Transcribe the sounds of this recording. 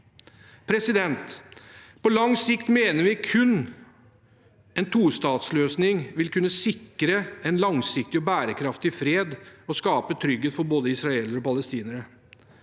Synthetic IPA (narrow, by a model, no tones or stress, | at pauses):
pʰɾɛsɪd̪ɛnt̪ | pʰɔlɑŋsɪkt̪meːnəɾʋɪkʰʉnː | ɛnt̪ʰuːst̪ɑːt̪sløːsnɪŋʋɪlkʰʉnːəsɪkːɾəɛnlɑŋsɪk̚t̪ɪɔbæːɾəkʰɾɑft̪ɪfɾeːd̪ɔskɑːpət̪ʰɾʏɡheːt̪fɔɾboːd̪əɪsɾɑeːləɾɔpɑləst̪iːnəɾə